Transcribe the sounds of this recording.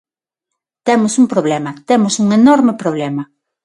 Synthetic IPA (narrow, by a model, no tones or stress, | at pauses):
t̪emʊsumpɾoβlemɐt̪emʊsuŋenoɾmepɾoβ̞lemɐ